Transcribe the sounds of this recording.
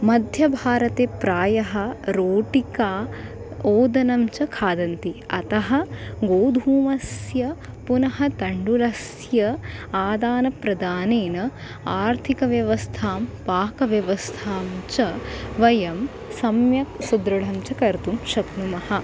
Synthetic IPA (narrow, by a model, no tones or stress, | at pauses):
mɐd̪ʱjɐbʱaːɾɐt̪eːpɾaːjɐɦɐ̆ɾoːʈikaː | oːd̪ɐnɐmt͡ʃɐkʰaːd̪ɐnt̪iɐt̪ɐɦɐɡoːd̪ʱuːmɐsjɐ | punɐɦɐt̪ɐɳɖulɐs | jɐaːd̪aːnɐpɾɐd̪aːneːnɐ | aːɾt̪ʰikɐʋjɐʋɐst̪ʰaːmpaːkɐʋjɐʋɐst̪ʰaːmt͡ʃɐʋɐjɐm | sɐmjɐksud̪ɾɐɭ̤ɐmt͡ʃɐkɐɾt̪umʃɐknumɐɦɐ